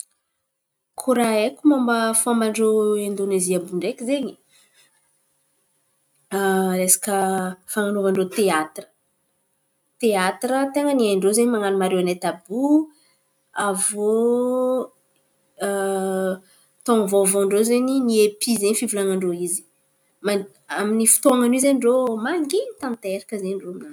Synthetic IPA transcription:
kʰuɾaekʲumambəfamaɳɖ͡ʐoend̪oneziambuɳɖ͡ʐekizeɲi | lesḁkəfaŋanovaɳɖ͡ʐot̪eat̪rə̥ | t̪eat̪rət̪eŋəniaɳɖ͡ʐozeɲimaŋanumaɾewanat̪abu | avo | t̪oŋvovoɳɖ͡ʐozeɲiniepʰizeɲfivulaŋaɳɖ͡ʐoizi̥ | ma | aminifu̥t̪oaŋanuizenɳɖ͡ʐomaŋɡit̪amint̪aeɾakəzeɲɳɖ͡ʐomnan

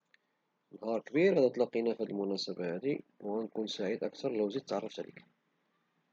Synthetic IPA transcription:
nhɑɾˤkəbiɾæd̪ət̪ˤlɑqːinæfæd̪əlmʊnæsabahæd̪iwwænkʊnsaʕid̪ʔa̰kt̪ɑɾˤləwzid̪t̪ːʕɑrˤːɑft̪æ̰lə̰k

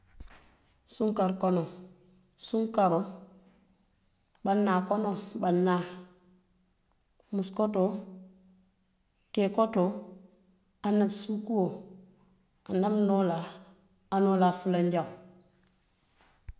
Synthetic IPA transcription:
suŋkaɾkono | suŋkaɾo | banːakonobanːa | muskoto | kekoto | anːabsukuo | anamnolaː | nolafulaɲɟa

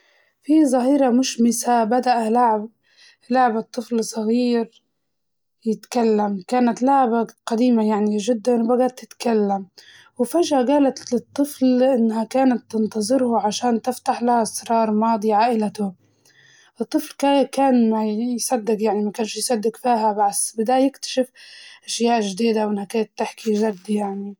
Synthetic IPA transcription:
fizˤɑɦiːɾamʊʃmɪsabad̪aʔalaʕb | laʕbat̪ˤːɨflsˤɑɣiːɾ | jɪt̪kalːamkaːnat̪laʕbaqad̪iːmajaʕniʒɪd̪ːanwbaɡat̪ːɪt̪kalːam | wɪfaʒhaɡaːlat̪lɪt̪ˤːɨflʔɪnːhakaːnat̪ːɪnt̪ɑzˤɨɾhaʕaʃaːnt̪ɪft̪aħlahasɾɑːɾˤmɑːd̪ˤiʕaːʔɪlat̪ʊ | ʔɨt̪ˤːɨflkakaːnmajsad̪ːɪɡjaʕnimakaːnʃjsɑd̪ːɪɡfiːɦabaʕbɪd̪aːjɪkt̪ḁʃɪfʔaʃjaːʔʒd̪iːd̪awʔɪnhakaːnat̪ːɪħkizad̪jaʕni

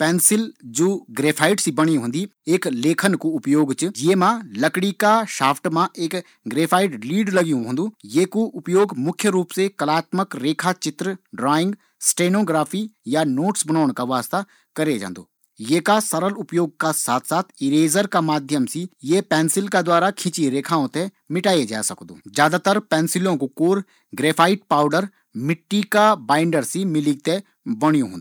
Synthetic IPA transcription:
pɛːnsɪld͡ʒoːɡɾeːpʰaːɪʈsibɐɽ̃iɦʊ̃nd̪ieːkleːkʰənkoʊpjoːɡt͡ʃɨjeːmãlɐkɽikaʃaːpʰʈmãʔeːk | ɡɾeːpʰaːɪʈliːɖlɐɡijũɦõːnd̪ujeːkoʔʊpjoːɡmʊkʰjəɾuːpsekɐlaːt̪məkɾeːkʰat͡ʃɪt̪ɾəɖɾaːɪ̃ŋɡ | sʈeːnoːɡɾaːpʰijanoːʈsbɐnaːɳ̃kaʋaːst̪a | kɐɾed͡ʒã̰ːnd̪o̰ː | jeːkasɐɾəlʊpjoːɡ̚kasaːt̪ʰsaːt̪ʰɪɾeːzəɾkamaːd̪ʱjəmsijepɛːnsɪlkad̪waːɾakʰɪt͡ʃiɾeːkʰaːõt̪e | mɪʈaːjed͡ʒa̰ːsɐkd̪o̰ːzjaːd̪at̪əɾpɛːnsɪlõkokoːɾ | ɡɾeːpʰaːɪʈ̚paːʊɖəɾ | mɪʈːikabãːɪɳɖəɾsimɪliɡ̚t̪e | bəɽ̃ijõɦõ̰ːd̪

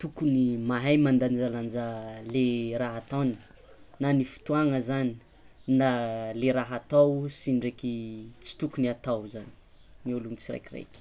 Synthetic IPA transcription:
t̪ukunimaɦajmand̪anizd͡ʒaland͡ʒaleɾaɦat̪awni | nanifi̥t̪uaŋəzani̥ | naleɾaɦat̪awsiniɖ͡ʐekit͡si̥t̪ukuniat̪awzani̥ | miuluŋit͡siɾḛjkirḛjkʲ

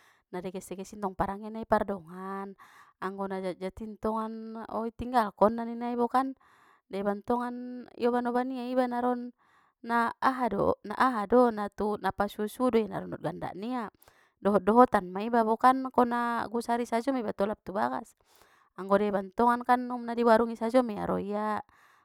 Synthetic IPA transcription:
nadɛkɛsɛkɛsint̪ɔŋpaɾaŋɛnaipardɔŋanaŋɡɔnad͡ʒad͡ʒat̪int̪ɔŋanɔ̰it̪iŋɡalkɔnːaninaibɔkan | dɛbant̪ɔŋanḭɔβanɔbaniaibanaɾɔnː | aːɦadɔ̰na̰ʔaɦadɔnat̪unapasusudɔjana̰ɾɔnɔt̪̚ɡanda̰ʔnia | dɔɦɔt̪̚dɔɦɔt̪anmaibabɔkankɔnaɡusaɾisad͡ʒɔmaibat̪ɔlap̚t̪ubaɡa̰s | aŋɡɔdebant̪ɔŋankanumnadiwaɾuŋisad͡ʒɔmia̰ɾɔ̰ia

